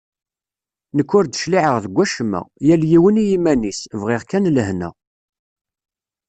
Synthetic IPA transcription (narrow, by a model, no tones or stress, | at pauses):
nəkːʊɾd̪ə̥ʃliʕəʁðəɡʷːæʃəmə̰ʁjæljiwənijimænisvʁɪʁkænlhnə̰